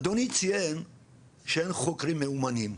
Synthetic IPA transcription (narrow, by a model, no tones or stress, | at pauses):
d̪onit͡sʰiɛn | ʃɛɛnχokɾimɛumanim